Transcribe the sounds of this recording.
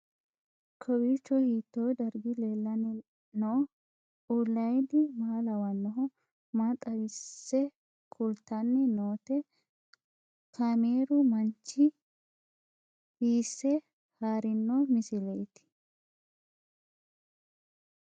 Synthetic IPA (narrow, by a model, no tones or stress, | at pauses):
kʰɔwiːt͡ʃːɔhiːt̪ːoːd̪ɐɾɡɪleːlːɐn | noː | ulːɐjd̪ɪmaːlɐwɐnːɔɦɔ | maːt̪ʼɐɾɪsːɛ | kʰʼʊlt̪ːɐnːɛnoːt̪ɛ | kʰameːɾʊmɐnt͡ʃːɪ | hiːsːɛ | haːɾɪnːomɪsɪlɛjt̪ɪ̥